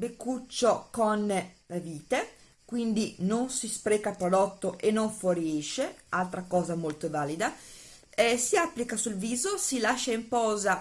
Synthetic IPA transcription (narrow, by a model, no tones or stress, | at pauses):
bekːut͡ʃːokonleviːt̪e | kwind̪inonsispɾɛːkapɾod̪ɔt̪ːoʔenːoɱfoɾiɛʃealt̪ɾakɔːzamolt̪ovaːlid̪a | ɛsiapːlikasulviːzosilaʃːaimpɔːza